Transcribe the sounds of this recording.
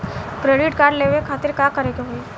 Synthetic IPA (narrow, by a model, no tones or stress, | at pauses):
kɾeɖɪʈkaːɾɖleːʋekʰaːt̪ɪɾkaːkɐɾeːɡeɦueː